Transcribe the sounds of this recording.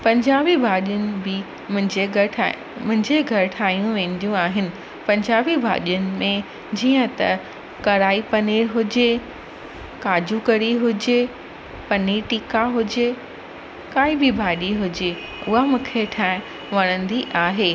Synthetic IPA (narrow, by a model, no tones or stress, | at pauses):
pɐ̃ɲd͡ʑaːbibʱaːɗijʊnɪ̆bɪ | mʊ̃ɦɪ̃d͡ʑe | mʊ̃ɦɪ̃ɲd͡ʑeɡʱɐɾɪʈʰaːijũʋẽːn̆d̪ijũaːɦɪnɪ̆ | pɐ̃ɲd͡ʑaːbibʱa̰ːɗijʊnɪ̆mẽ | d͡ʑiːə̃t̪ɐ̰ | kɐɾaːipɐneːɾɦʊd͡ʑe | kaːd͡ʑukɐɾiɦʊd͡ʑe | pɐniʈiːkaɦʊd͡ʑe | kaːibɪbʱaːɗiɦʊd͡ʑe | ʊɦamʊkʰeʈʰãːɪ̃ | ʋɐɽ̃ə̃nd̪iʔaːɦeː